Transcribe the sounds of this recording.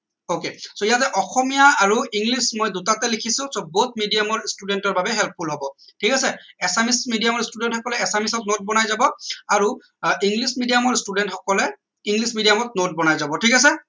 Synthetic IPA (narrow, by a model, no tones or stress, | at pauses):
okesoijatɛʔɔxɔmijaaɹuiŋɡlismɔjdutatɛlikʰisʊ̃sobot̚midijamɔɹstudɛntɔɹbabɛɦɛlp̚ʰpulɦobɔtʰikasɛɛsamismidijamɔɹstudɛntxɔkɔlɛɛsamisɔt̚not̚bɔnajzabɔaɹu | iŋɡlismidijamɔɹstudɛntxɔkɔlɛ | iŋɡlismidijamɔt̚not̚bɔnajzabɔtʰikas̬ɛ